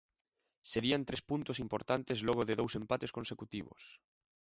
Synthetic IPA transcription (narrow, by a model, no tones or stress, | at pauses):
seɾiant̪ɾespunt̪osimpoɾt̪ant̪ezloɣ̞oðeðowsẽmpat̪eskonsekut̪iβ̞o̰s